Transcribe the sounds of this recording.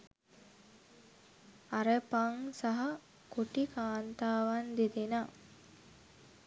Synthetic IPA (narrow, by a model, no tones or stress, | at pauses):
aɾəpaŋsaɦɐ | koʈikaːnt̪aːʋand̪ed̪ena